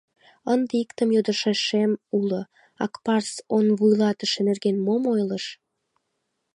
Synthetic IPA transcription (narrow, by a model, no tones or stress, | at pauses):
ənd̪eikt̪əmjod̪əʃeʃemulo | ɑkpɑrsonβujlɑt̪əʃenerɣenmomojləʃ